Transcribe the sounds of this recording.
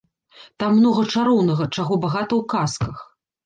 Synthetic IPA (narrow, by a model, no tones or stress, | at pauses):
t̪amːnɔɣɐt͡ʂaɾɔwn̪ɐɣɐt͡ʂaɣɔbaɣat̪ɐwkaskɐx